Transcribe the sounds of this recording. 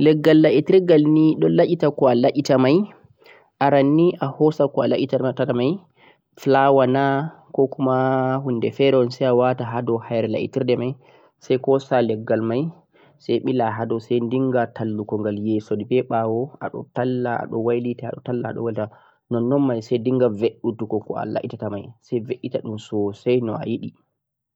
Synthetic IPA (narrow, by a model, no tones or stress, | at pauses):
lɛɡːalːaʔitiɾɡalniɗɔlaʔʲitakɔalaʔʲitamaj | ʔaɾanːiʔahɔsakɔalaʔʲitataamaj | flawana | kɔkumahundɛfɛɾɛɔnsajawataɦadɔhajɾɛla̰ʔḭtiɾdɛmaj | sajkɔsalɛɡːalmaj | sɛjɓilaɦadɔsɛjndiŋɡatʰalːukɔŋɡaljɛsɔdibɛɓawɔaɗɔ̰talːaa̰ɗɔwajlitaa̰ɗɔ̰talːa̰ːɗɔ̰walita | nɔnːɔnmajsɛjndiŋɡaveɗːutukɔkɔa̰la̰ʔitatamajsɛveʔːitaɗumsɔsajnɔa̰jiɗi